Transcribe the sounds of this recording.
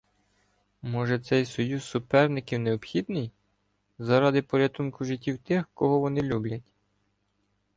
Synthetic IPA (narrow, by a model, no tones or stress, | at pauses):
mɔʒɛt̪sɛjsɔjussʊpɛrnɪkʲiwneɔbxʲid̪nɪj | zɐɾɑd̪ɪpɔɾʲɐt̪unkʊʒɪtʲːiwt̪ɪxkɔɦɔʋɔnɪlʲublʲɐtʲ